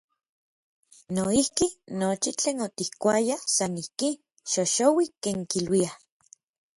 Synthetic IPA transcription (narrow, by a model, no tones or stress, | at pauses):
noihkinot͡ʃit͡ɬeːnot̪ihkʷajasanihki | ʃoʃowikeːŋkilwia